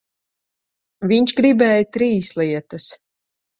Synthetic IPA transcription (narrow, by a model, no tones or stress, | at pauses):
viɲʃɡɾibɛːjt̪ɾiːslˠiɛt̪ɐs